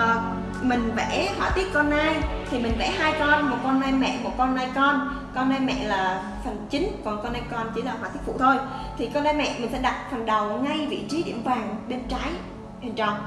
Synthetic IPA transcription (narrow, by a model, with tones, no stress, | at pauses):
ʔəː˨˩ | mï˨˩ŋ̟vɛ̰˧˥hwaː˧˩t̪i˦˥ət̚kɔ˧nːaː˧jt̪ʰi˨˩mï˨˩ŋ̟vɛ̰˧˥haː˧jkɔ˧nmo˨˩t̚kɔ˧nːaː˧jmɛ̰˧˨mo˨˩t̚kɔ˧nʔaː˧jkɔ˧n | kɔ˧naː˧jmɛ̰˧˨laː˨˩ | fʰə˨˩ŋt͡ɕï˨˦ŋ̟kɔ˨˩nkɔ˧naː˧jkɔ˧nt͡ɕi˧˦laː˧˩ɦwaː˧˩t̪i˦˥ft̪ʰo˧j | t̪ʰi˨˩kɔː˧nɗaː˨˦jmɛ̰˧˨mï˨˩ŋ̟sɛ̰˧˥ɗa˨˩t̚fʰa˨˩ŋɗə˨˩wŋa˧jvḭ˧˨t͡ɕi˨˦ɗḭ˧˩əmvaː˨˩ŋɓe˧nt͡ɕa˨˦j | e˨˩nt͡ɕə˨˩wŋ͡m